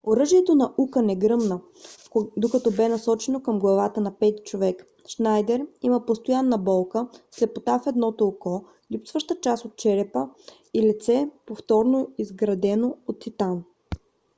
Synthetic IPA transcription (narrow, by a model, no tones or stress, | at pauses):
oɾɤʒiɛt̪onɐʔukənɛɡɾɤmnə | d̪okɐt̪ɔbɛnɐsɔt͡ʃɛnokəmɡlˠɐvat̪ənɐpɛt̪t͡ʃovɛk | ʃnajd̪ɛɾiməpost̪ojanːɐbɔlˠkəslɛpot̪afɛd̪nɔt̪olˠkɔ | lipsvəʃt̪ət͡ʃasot̪̚t͡ʃɛɾɛpə | ilit̪sɛpoft̪ɔɾnoizɡɾɐd̪ɛnoot̪ːit̪an